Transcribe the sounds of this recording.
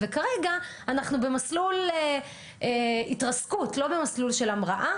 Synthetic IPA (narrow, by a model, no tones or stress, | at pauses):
vekaʁeɡa | anaχnube̞maslule | eitʁaskutlo̞be̞maslulʃe̞lamʁaʔa